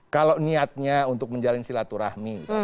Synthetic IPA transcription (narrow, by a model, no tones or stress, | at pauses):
kalawniat̪̚ɲaunt̪ʊk̚məɲd͡ʒalɪnsilat̪uɾahmi